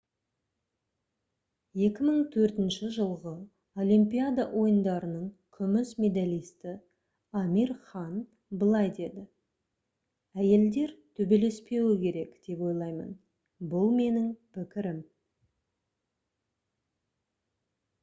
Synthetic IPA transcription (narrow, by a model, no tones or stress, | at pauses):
je̞kʲɪməɴt̪ʰɵɾt̪ɪnʃɪʒəlˠʁə | o̞lʲimpijad̪ɑʔo̞jənd̪ɑɾənəɴkʲʰʏmɪsmʲed̪alijst̪ɪ | ɑmiɾχɑn | bəlˠɑjd̪e̞d̪ɪ | æje̞ld̪e̞ɾt̪ʰɵbe̞le̞spe̞wɪkʲʰe̞ɾe̞kd̪̥e̞pwo̞jlˠɑjmə̰n | bʊlˠme̞nɪŋpʰɪkʲɪɾɪm